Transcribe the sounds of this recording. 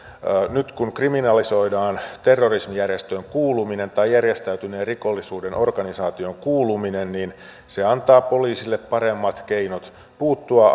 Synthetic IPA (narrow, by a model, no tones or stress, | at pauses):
nyt̪kunkriminɑliso̞idɑːnt̪e̞rːorismijærjest̪øŋkuːlumine̞nt̪ɑjærjest̪æyt̪yneːrriko̞lːisuːdenʔo̞rɡɑnisɑːt̪ioŋkuːluminennin | seɑnt̪ɑːpo̞liːsilːeppɑɾemːɑt̪keinot̪ | puːt̪ːuɑ